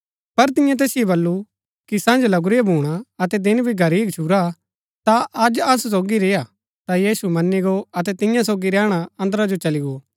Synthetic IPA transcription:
pɐɾt̪ɪ̃jãt̪̬ɛːsɪjobɐlːu | kisãːnd͡ʒlɐɡɾɪbʱuːɽ̃aɐt̪ɛd̪ɪnbʱiɡʱɐɾiːɡt͡ʃʰuɾa | t̪aʔɐd͡ʒɐss̬oːɡiɾɪja | t̪ajiːsumɐnːiɡoɐt̪ɛt̪ɪ̃jãsoːɡiɾɛːɽ̃aɐ̃nd̪əɾad͡ʒot͡ʃɐlɪɡoː

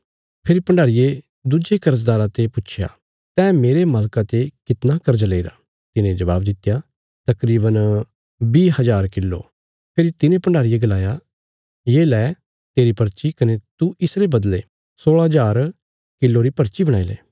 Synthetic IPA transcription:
pʰɪɾipɐ̃ɳɖaːɾɪje | d̪ud͡ʒekɐɾəs̬d̪aːɾãt̪epʊːʃʰja̰ | t̪ɛːmeːɾemaːlkat̪ekɪt̪nakɐɾd͡ʒaleiːɾa̰ | t̪ɪnẽd͡ʒɐβaːbd̪ɪt̪ːja | t̪ɐkɾiːbən | biːɦɐd͡ʒaːɾkɪlːo̰ | pʰɪɾit̪ɪnẽpɐ̃ɳɖaːɾijeɡɐlaːja | jeːlɛː | t̪eːɾipɐɾt͡ʃikɐnet̪uʔɪsɾebɐd̪le | soːɭɦɐd͡ʒaːɾ | kɪlːoɾipɐɾt͡ʃibɐɽ̃aːilɛ̰ː

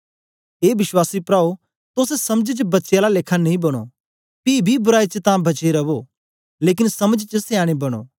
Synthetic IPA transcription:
eːʋɪʃwaːsipɾaːo | t̪oːsesɐməd͡ʒt͡ʃbɐtːʃjalaleːkʰanɐĩbɐɽ̃o̰ | piːbʱibʊɾaːit͡ʃət̪ãbɐt͡ʃeɾɐʋo | leːk̬ɪnsɐməd͡ʒt͡ʃəsɪjaːɽ̃ebɐɽ̃o̰ː

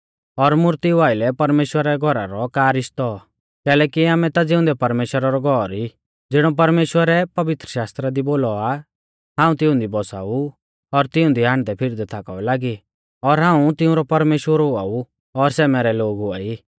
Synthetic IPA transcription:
ɔɾmʊɾt̪iʋaːɪlɛpɐɾmeːʃwəɾɛɡʱɔɾaɾɔkaːɾɪʃt̪ɔ | kɛːlɛːkiaːmɛ̃t̪ad͡zɪʊ̃nd̪ɛpɐɾmeːʃwəɾaɾɔɡʱɔɾi | d͡zɪɽ̃ɔp̬ɐɾmeːʃwəɾɛpɐʋɪt̪ɾəʃaːst̪ɾad̪iboːlɔa | ɦãːũt̪ɪ̃ʊ̃nd̪ibɔsa̰ːu | ɔɾt̪ɪʊ̃nd̪iɦãːɳ̃d̪ɛpʰɪɾd̪ɛt̪ʰaka̰ɛlaːɡi | ɔɾɦãːũt̪ɪũɾɔpɐɾmeːʃwəɾɦʊa̰ːu | ɔɾsɛːmɛːɾɛloːɡɦʊa̰ːiː

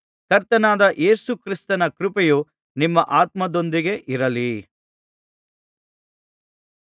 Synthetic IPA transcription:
kɐɾt̪ɐnaːd̪ɐʔe̞ːsukɾist̪ɐnɐkɾupɛju | nimːɐʔaːt̪mɐd̪o̞nd̪iɡe̞ʔiɾɐli

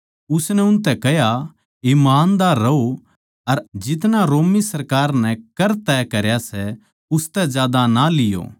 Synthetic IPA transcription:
ʊsnɛʊnt̪̬ɛkɐɦja | ɪmaːnd̪aːɾːɐo | ɐɾd͡ʒɪt̪naɾoːmisɐɾkaːɾnɛ̃kɐɾt̪ɛkɐɾjasɛ | ʊst̪ɛd͡ʒjaːd̪analɪjo̰ː

